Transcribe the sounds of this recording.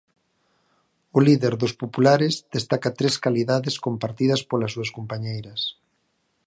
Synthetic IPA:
ʊliðeɾðospopulaɾezðest̪akat̪ɾeskaliðaðeskompaɾt̪ið̞ɐspolɐsuɐskompaɲejɾɐs

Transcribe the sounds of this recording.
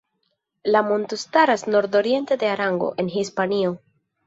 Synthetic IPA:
lamont̪ustaɾasno̞ɾd̪o̞ɾie̞nt̪e̞d̪e̞aɾaŋɡo̞̰ʔe̞nɦispanio̞

